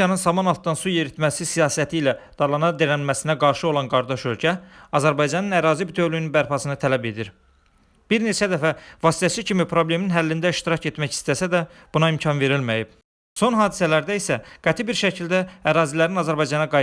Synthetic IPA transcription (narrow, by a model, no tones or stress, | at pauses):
jɑnɯnsɑmɑnɑlˠt̪̚d̪ɑnsuje̞ɾit̪mæsisijɑːsæt̪ʰiːlæd̪̥ɑlˠɑnɑd̪eɾælmæsinæɡɑɾʃɯo̞lˠɑnɡɑɾd̪ɑʃølcʰæɑzæɾbɑjd͡ʒɑnɯnæɾɑːzibit̪ʰøvlynynbæɾpʰɑsɯnɯt̪ʰælæbe̞d̪iɾ | b̥iɾne̞t͡ʃʰæd̪æfævɑːsi̥t̪ʰæsicʰimipʰɾo̞ble̞minɦælːind̪æiʃt̪iɾɑce̞t̪mæçi̥st̪æsæd̪æb̥unɑimcʰɑnve̞ɾilmæjib̥̚ | so̞nɦɑːd̪isælæɾd̪æisæɡ̥æt̪ʰibiɾʃæcʰild̪æːɾɑːzilæɾinɑzæɾbɑjd͡ʒɑnɑɡɑ